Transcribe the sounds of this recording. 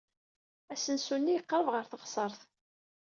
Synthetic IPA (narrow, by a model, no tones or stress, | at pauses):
æsənsunːijəqːɾəvʁəɾθəʁsˤəɾˤθ